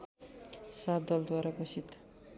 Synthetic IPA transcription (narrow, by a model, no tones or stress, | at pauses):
sad̪ʌld̪waɾaɡosit̪